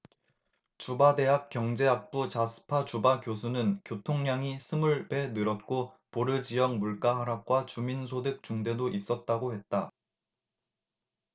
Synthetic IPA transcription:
t͡ɕubade̞ɦak̚k͈jʌŋd͡ʑe̞ap͈ut͡ɕasʰɯ̥pʰat͡ɕubakjosʰunɯnkjotʰoŋɲaŋisʰɯmuɭbe̞nɯɾʌt̚k͈o | poɾɯd͡ʑijʌŋmuɭk͈aɦaɾak̚k͈wat͡ɕuminsʰodɯk̚t͡ɕuŋde̞doʔis͈ʌt̚t͈aɡohe̞t̚t͈a

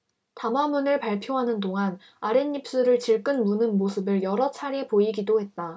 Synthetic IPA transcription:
tamamunɯɭpaɭpʰjoɦanɯndoŋan | aɾenːip̚s͈uɾɯɭt͡ɕiɭk͈ɯnmunɯnmosʰɯbɯɭjʌɾʌt͡ɕʰaɾe̞poiɡidohe̞t̚t͈a

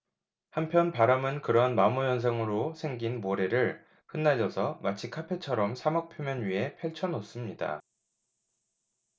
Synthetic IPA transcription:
hampʰjʌnpaɾamɯnkɯɾʌnmamujʌns̬ʰaŋɯɾosʰe̞ŋɡinmoɾe̞ɾɯɭ | hɯnːad͡ʑʌsʰʌmat͡ɕʰikʰapʰe̞t͡ɕʰʌɾʌmsʰamak̚pʰjomjʌnɥiɦe̞pʰeɭt͡ɕʰʌnos͈ɯmɲida̰

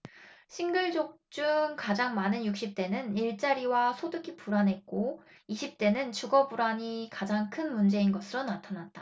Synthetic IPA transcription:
ɕʰinɡɯɭd͡ʑok̚t͡ɕ͈uŋkad͡ʑaŋmanɯnjuk̚ɕ͈ip̚t͈e̞nɯniɭt͡ɕ͈aɾiwasʰodɯɡʰipuɾanɦe̞t̚k͈o | iɕʰip̚t͈e̞nɯnt͡ɕuɡʌbuɾaɲikad͡ʑaŋkʰɯnmund͡ʑe̞inɡʌsʰɯɾonatʰanat̚t͈a

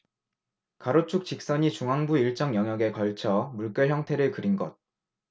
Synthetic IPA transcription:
kaɾot͡ɕʰuk̚t͡ɕik̚s͈ʌɲit͡ɕuŋɦaŋbuiɭt͡ɕ͈ʌŋjʌŋɦjʌɡe̞kʌɭt͡ɕʰʌmuɭk͈ɯɭçjʌŋtʰe̞ɾɯɭkɯɾinɡʌt̚

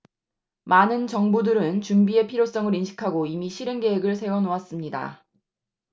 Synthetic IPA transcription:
manɯnt͡ɕʌŋbudɯɾɯnt͡ɕumbie̞pʰiɾjos͈ʌŋɯɾinɕʰi̥kʰaɡoimiɕʰiɾɯnɡe̞ɦeɡɯɭs̬ʰe̞wʌnoas͈ɯmɲida̰

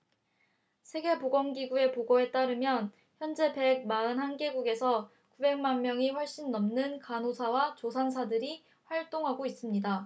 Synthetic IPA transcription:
sʰe̞ɡe̞poɡʌŋɡiɡue̞poɡoɦe̞t͈aɾɯmjʌn | çjʌnd͡ʑe̞pe̞ɡ̚maɯnɦanɡe̞ɡuɡe̞sʰʌ | kube̞ŋmanmjʌŋiɸwʌɭɕ͈inːʌmnɯnkanosʰawat͡ɕosʰansʰadɯɾi | ɸwaɭt͈oŋɦaɡois͈ɯmɲida

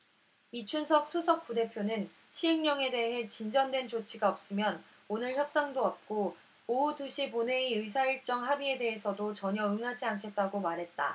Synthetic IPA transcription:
it͡ɕʰunsʰʌk̚sʰusʰʌk̚p͈ude̞pʰjonɯn | ɕʰiɦeŋɲʌŋe̞de̞ɦe̞t͡ɕind͡ʑʌndwe̞nt͡ɕot͡ɕʰiɡaʌp̚s͈ɯmjʌn | onɯɭçjʌp̚s͈aŋdoʌp̚k͈o | ouduɕʰipone̞iɯs̬ʰaiɭt͡ɕ͈ʌŋɦabie̞de̞ɦe̞sʰʌdot͡ɕʌɲʌɯŋɦad͡ʑiankʰe̞t̚t͈aɡomaɾɦe̞t̚t͈a̰

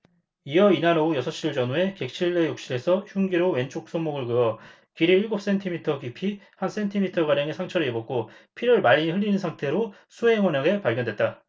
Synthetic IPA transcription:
ijʌinaɾʌujʌsʰʌɕ͈iɭd͡ʑʌnue̞ke̞k̚ɕʰiɭːe̞jok̚ɕ͈iɾe̞sʰʌçjuŋɡiɾowe̞nt͡ɕʰok̚s͈omːoɡɯɭɡɯʌ | kiɾiiɭɡop̚s͈entʰimitʰʌkipʰihans͈ʰe̞ntʰimitʰʌɡaɾjaŋesʰaŋt͡ɕʰʌɾejebok̚k͈opʰiɾɯɭmaʎːiɸɯʎːinɯnsʰaŋtʰe̞ɾo | sʰuɦe̞ŋwʌnʌɡe̞paɭɡjʌndwe̞t̚t͈a

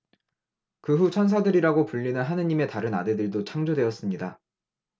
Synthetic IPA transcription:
kɯɸut͡ɕʰʌns̬ʰadɯɾiɾaɡopuʎːinɯnɦanɯɲime̞taɾɯna̰de̞dɯɭdot͡ɕʰaŋd͡ʑodwe̞ʌs͈ɯmɲida

